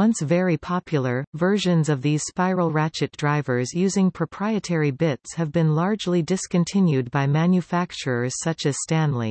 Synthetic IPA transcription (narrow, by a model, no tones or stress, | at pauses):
wʌ̃nsvɛɹipʰɑpʰjl̩ˠə˞vɜ˞ʒɨ̃nzʌvðiz̥spaɪɹl̩ˠɹæt͡ʃɨt̚d̥ɹaɪvə˞zjʉzɪ̃ŋpʰɹ̥əpʰɹ̥aɪɨtʰɛɹibɪtshɨvbɨ̃nlɑɹd͡ʒlidɨskɨ̃ntʰɪ̃njʉd̚baɪmæ̃njɨfæk̚t͡ʃə˞ə˞z̥sʌt͡ʃɨz̥stæ̃nlḭ̃